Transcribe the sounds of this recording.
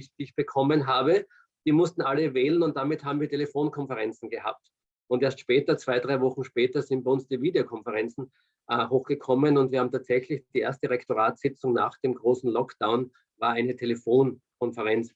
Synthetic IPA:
ç̥çb̥əkʰɔmənɦaːbə | d̥iːmʊstn̩ʔaləvɛːlənʊnt̚d̥amɪthaːbm̩viːɐtʰelefoːnkʰɔnfəʁɛnt͡sn̩ɡəha̰ːp̚t | ʊnteːɐstʃpɛːtɐt͡sv̥aɪdʁaɪvɔχn̩ʃpɛːtɐzɪ̃nt̚b̥æɪʊnsd̥iːviːdeokʰɔnfəʁɛnt͡sn̩ | ʔhoːxɡ̥əkʰɔmənʊntv̥iːhaːm̩tʰaːtt͡sɛçlɪçd̥iːʔeɐstəʁɛktoʁaːtsɪt͡sʊŋna̰ːχd̥eːmɡʁoːsn̩lɔkd̥aʊn | vaːɐaɪnətʰelefoːnkʰɔnfəʁɛnt͡s

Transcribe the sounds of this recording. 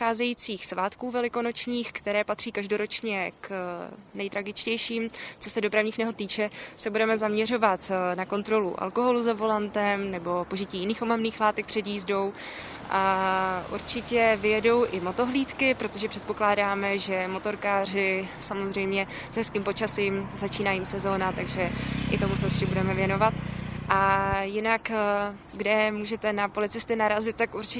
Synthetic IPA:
aːzɛjiːt͡siːxsvaːt̪kuːvɛlɪkono̞t͡ʃɲiːxkt̪ɛɾɛːpat̪r̝̥iːkaʒdo̞ɾo̞t͡ʃɲɛknɛjt̪ɾaɡɪt͡ʃcɛjʃiːmt͡so̞sɛdopɾavɲiːxnɛɦot̪ːiːt͡ʃɛsɛbudɛmɛzamɲɛr̝o̞vat̪nako̞nt̪ɾo̞lṵʔa̰lko̞ɦo̞luzavo̞lant̪ɛmnɛbo̞po̞ʒɪciːjɪniːxʔomamniːxlaːt̪ɛk̚pr̥ɛdjiːzdo̞w | ʔaʔṵɾt͡ʃɪcɛvɪjɛdo̞wʔɪmo̞t̪o̞ɦliːt̪kɪpɾo̞t̪oʒɛpr̝̥ɛt̪̚po̞klaːdaːmɛʒɛmo̞t̪o̞ɾkaːr̝ɪsamozr̝ɛjmɲɛ | z̥ɦɛskiːmpo̞t͡ʃasiːmzat͡ʃiːnajiːmsɛzo̞ːnat̪aɡʒɛʔɪt̪o̞musɛuɾt͡ʃɪcɛbudɛmɛvjɛno̞vat̪ʔajɪnak | ɡdɛmuːʒɛt̪ɛnapo̞lɪt͡sɪst̪ɪnaɾazɪt̪̚t̪ːakuɾt͡ʃɪ

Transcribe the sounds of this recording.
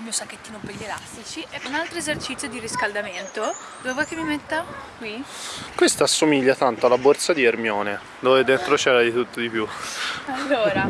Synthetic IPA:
lmijosakːet̪ːiːnopeʎːelast̪it͡ʃiʔɛunalt̪ɾoezert͡ʃit̪sːjod̪iriskald̪ament̪o | d̪ovevɔjk̟emːimet̪ːakwikwest̪aasːomiʎːat̪ant̪oalːabort̪sad̪iermjɔːne | d̪oːved̪ent̪ɾot͡ʃɛːɾad̪it̪ut̪ːod̪ipjualːoːɾa

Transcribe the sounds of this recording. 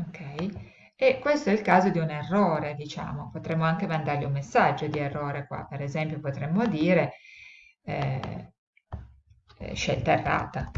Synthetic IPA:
okʰːɛj | ekːwest̪oɛilkaːzod̪iunerːoːɾed̪it͡ʃa̰ːmopot̪ɾemːoaŋk̟emand̪arliumːesːad͡ʒːod̪ierːoːɾekwa̰peɾezɛmpjopot̪ɾɛmːod̪iːɾe | ʃḛlt̪aerːa̰ːt̪a

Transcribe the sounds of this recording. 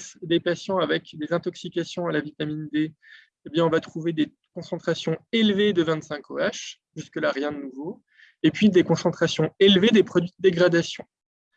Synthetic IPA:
sd̪epasjɑ̃avɛkd̪ezɛ̃t̪ɔksikʲasjɔ̃alavit̪amind̪e | ebjɛ̃ɔ̃vat̪χuved̪e | kɔ̃sɑ̃t̪χasjɔ̃elved̪əvɛ̃t̪sɛ̃kʰoaʃ | ʒyskəlaʁjɛ̃d̪ənuvo | epɥid̪ekɔ̃sɑ̃t̪χasjɔ̃elved̪epχɔd̪ɥid̪əd̪eɡʁad̪asjɔ̰̃

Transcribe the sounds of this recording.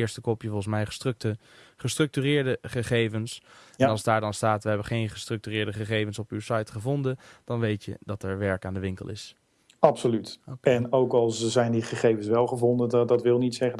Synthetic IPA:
ɪɹstəkɔpjəvɔlˠχənsmɛjχətk̚tə | χəstrɵk̚tyːrɪːɹdəχəχejvənsnɑlˠzdaːɹdɑnstaːtʋəɦɛbəχejnχəstrɵk̚tyːrɪːɹdəχəχejvənsɔpywsajtχəvɔndənd̥ɑnʋejtjə̰dɑtɛɹʋɛɹkaːndəʋɪŋkəlˠʔɪ̰s | ɑpsolytɛnowkɑlˠszɛjndiχəχejvənsʋɛlˠχəvɔndədɑtʋɪlˠnitsɛχə

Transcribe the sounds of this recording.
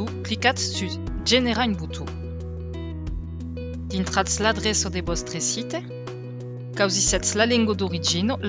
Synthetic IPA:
uplikasːy | d͡ʒeneʁaynbut̪ʰu | d̪̥int̪χat̪slad̪ʁɛsod̪ebɔst̪χesit̪e | kawzisɛt̪slalɛŋɡod̪oʁid͡ʒinol

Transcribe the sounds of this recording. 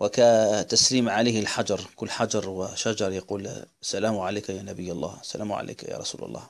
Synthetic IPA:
wɪkat̪ːasliːmʕaleːhɪlħad͡ʒɑɾˤkʊlːħad͡ʒɑɾˤwɪʃad͡ʒɑɾˤjaquːlsːalaːmʕaleːkajaːnabɪjːalˤːa̰ːsːalʔaːmʕa̰lḛːkaja̰ːɾˤɑ̰sṵːlɑ̰lˤːɑ̰ːh

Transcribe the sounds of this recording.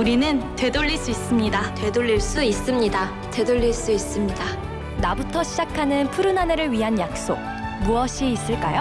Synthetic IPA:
uɾinɯntwe̞doʎːiɭs͈uis͈ɯmɲidat̪we̞doʎːiɭs͈uis͈ɯmɲida | t̪we̞doʎːiɭs͈uis͈ɯmɲida | nabutʰʌɕʰid͡ʑakʰanɯnpʰuɾɯnane̞ɾɯɭɥiɦanjak̚s͈o̰k̚ | muʌɕʰiːs͈ɯɭk͈ajo

